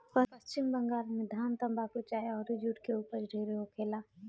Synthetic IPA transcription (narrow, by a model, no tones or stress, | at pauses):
pəpəst͡ʃɪmbəŋɡaːlmẽd̪ʱaːmt̪ə̃mbakut͡ʃaːjaɔːɾɾɪd͡ʒuːʈkeuːpəɾɖʱeːɾeɦokʰeːlaː